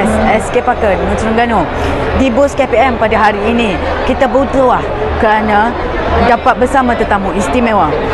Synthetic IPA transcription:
sɛskepakət̪̚dəŋãnsuɾəŋɡano | dibʊskepiɛmpadaɦaɾiːni | kit̪abəut̪ɾoah | kəɾana | dapat̪̚bəsamãt̪ərt̪amuist̪imẽwa

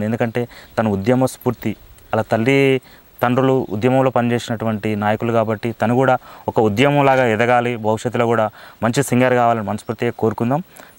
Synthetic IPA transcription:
d̪ie̞nd̪ukɐɳʈe̞ːt̪ɐnɐud̪jɐmɐspuːɾt̪i | ɐlaːt̪ɐlːi | t̪ɐɳɖɾuluṵd̪jɐmɐmlo̞ːpɐnit͡ʃe̞ːsinɐʈuʋɐɳʈinaːjɐkulukaːbɐʈːit̪ɐnukuːɽaːɔkɐud̪jɐmɐmlaːɡaːɛd̪ɐɡaːlibʱɐwuʂɐt̪ːuloːkuːɽaːmɐɲt͡ʃisiŋɡɐɾkaːʋaːlɐnimɐnɐspuːɾt̪iɡeːko̞ːɾukund̪aːm

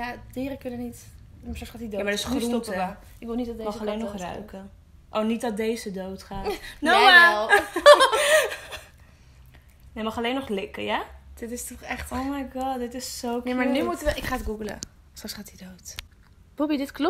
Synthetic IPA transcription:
jad̥iːɾəkɵnənit | masɑksχaːtidoamadɪsχruɔta | ɪkʋɪlˠnitdɔdemɑχɑlejnɔχrœ̰ɥkə | ʔownit̚dɑt̚dejzədowtχaːnoa | nemɑχɑlejnɔχlɪkə̰jad̥ɪtɪstɔχɛχtowmajɡɑdɪtɪsːownemanymutəʋəʔɪkχaːtɡuɡələ̰ | strɑksχaːtidowt | bobidɪtklɔ

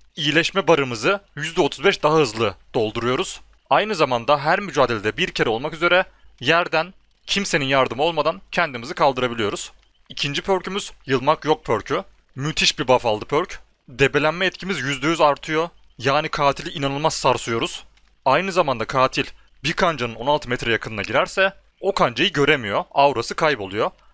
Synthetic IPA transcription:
ijilʲɛʃmɛbaɾɯmɯzɯjyzd̪ɛo̞t̪ʰuzbɛʃd̪aɦaɦɯzlˠɯd̪̥o̞lˠd̪uɾujo̞ɾuz̥ | ajnɯzamand̪aɦæɾmyd͡ʒaːd̪e̞lʲed̪ɛbiɾcʰe̞ɾɛo̞lˠmakyze̞ɾɛjæɾd̪æn | cʰimseninjaɾd̪ɯmo̞lˠmad̪ancʰɛnd̪imizɯkʰalˠd̪ɯɾabilʲijo̞ɾuz̥ | icʰind͡ʒipʰø̞ɾʲcʰymyz̥jɯlˠmakjo̞k̚pʰøɾʲcʰy | myt̪ʰiʃbibafalˠd̪ɯpʰølʲc | d̪e̞be̞lʲænmɛɛt̪cʰimizjyzd̪ejyzaɾt̪ʰɯjo̞ | jaːnikʰaːt̪ʰilʲiinanɯlˠmasːaɾsujo̞ɾuz̥ | ajnɯzamand̪akʰaːt̪ʰilʲ | biɾkʰand͡ʒanɯno̞nalˠt̪ʰɯmɛt̪ɾɛjakʰɯnɯnaɟiɾæɾsɛ | o̞kʰand͡ʒajiɟø̞ɾemijo̞awɾasɯkʰajpo̞lˠujo̞

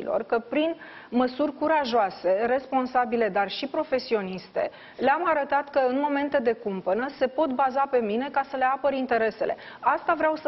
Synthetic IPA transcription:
ḭlo̞̰rkəpɾin | məsurʲkuɾaʒoase̞re̞spo̞nsabile̞d̪arʃipɾo̞fe̞sio̞nist̪e̞̰ | leamaɾət̪at̪kəɨnmo̞me̞nt̪e̞d̪e̞kumpənəse̞po̞t̪bazape̞mine̞kasəleapəɾint̪e̞ɾe̞se̞le̞̰ | ast̪avɾeaws

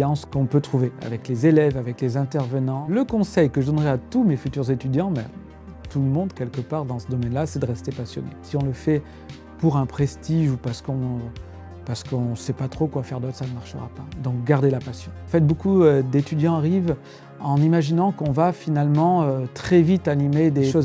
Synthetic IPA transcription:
ɑ̃skɔ̃pøt̪χuvea̰vɛklezelɛvavɛklezɛ̃t̪ɛʁvənɑ̃ləkɔ̃sɛjkəʒəd̪ɔnʁɛat̪umefyt̪yʁzet̪yd̪jɑ̃bɛ̰̃ | t̪uləmɔ̃d̪kʲɛlkəpaʁd̪ɑ̃səd̪ɔmɛnlasɛd̪əʁɛst̪epasjɔ̰nḛsiɔ̃ləfɛ | puʁɛ̃pχest̪iʒupaʁsə̥kɔ̃ | paʁsə̥kɔ̃sɛpat̪χokwafɛʁd̪ot̪χsanəmaʁʃə̰ʁa̰pad̪ɔ̃k̚ɡaʁd̪elapasjɔ̃ɑ̃fɛt̪̚bokuød̪et̪yd̪jɑ̃aʁiv | ɑ̃nimaʒinɑ̃kɔ̃vafinalmɑ̃øt̪χɛvit̪animed̪eʃoz

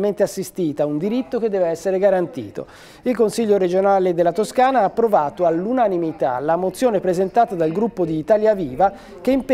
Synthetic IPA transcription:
ment̪easːist̪iːt̪aund̪iɾit̪ːoked̪ːɛːveɛsːeɾeɡaɾant̪ḭːt̪o̰ | ilkonsiʎːoɾed͡ʒonaːled̪elːat̪oskaːnaaːpːɾovaːt̪oalːunanimit̪a̰lamot̪sːjoːnepɾezent̪aːt̪ad̪alɡɾupːod̪iːt̪aːljaviːva | keimp

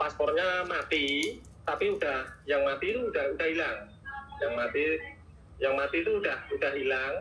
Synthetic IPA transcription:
paspɔrɲamat̪i | t̪apiud̥ahjaŋmat̪it̪uːdahud̥ahilaŋ | jaŋmat̪i | jaŋmat̪it̪uːɖahud̥aɦilaŋ

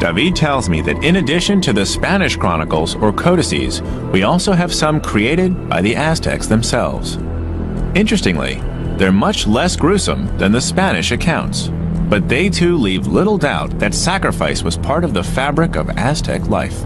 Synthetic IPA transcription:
d̥ɑvid̚tʰɛlˠzmḭðɨ̰ɾɪ̃nɨdɪʃɨ̃ntʰɨðɨspænɨʃkʰɹ̥ɑnəkl̩ˠzə˞kʰoʊɾɨsḭz̥ | wiɔlˠsoʊɨv̥sʌ̃mkʰɹ̥ieɪɾɨd̚ba̰ɪðiʔæstʰɛ̰ksðɨ̃msɛ̰lˠvz̥ | ɪ̃nt͡ʃɹ̥ɨstɪ̃ŋlḭ | ðə˞mʌt͡ʃlɛsɡ̥ɹʉsə̰̃mðɨ̃nðɨspænɨʃɨkʰãʊ̃nts | b̥ʌt̪̚ðeɪtʰʉlivlɪɾl̩ˠdaʊt̪̚ðɨtsækɹɨfaɪswʌz̥pʰɑɹɾʌvðəfæbɹɨkʌ̰væstʰɛ̰kʰla̰ɪf

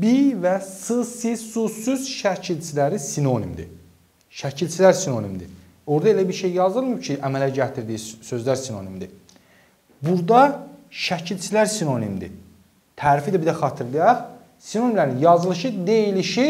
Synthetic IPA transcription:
bivæsɯsisusyz̥ʃæcʰilt͡ʃʰilæɾisino̞nimd̪ḭ | ʃæcʰilt͡ʃʰilæɾsino̞nimd̪ḭ | o̞ɾd̪ɑe̞læbiɾʃe̞jjɑzɯlˠmjbt͡ʃʰiʔæmælæɟæt̪ʰiɾd̪iːisø̞zlæɾsino̞̰nimd̪i | buɾd̪ɑʃæcʰilt͡ʃʰilæɾsino̞nimd̪ḭ | t̪ʰæːɾifid̪æbid̪æxɑt̪ʰɯɾlˠɯjɑχ | sino̞nimlæɾinjɑzɯlˠɯʃɯd̪e̞jiliʃi

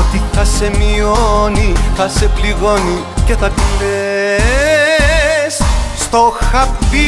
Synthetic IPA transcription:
t̪iθɐse̞mioniθɐse̞pliɣo̞ni | ce̞θɐkile | sst̪oxɐpvi

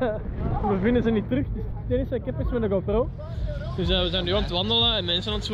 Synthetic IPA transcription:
bəvɪndəzənitːrʏxtɪstɛnɪsəkɛpɪsmɛdəɡofroː | dʏsəːʋəzɛjndyɔnətʋɑndələɛnmɛnsənɔnəts

